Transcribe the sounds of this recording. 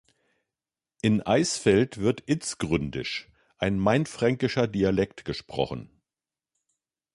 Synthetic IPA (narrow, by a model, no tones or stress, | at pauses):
ʔʔɪnʔaɪsfɛltv̥ɪɐtʔɪt͡sɡ̥ʁʏndɪ̰ʃ | ʔaɪnmaɪntfʁ̥aŋkɪʃɐdialɛktɡ̥əʃpʁ̥ɔ̰χn̩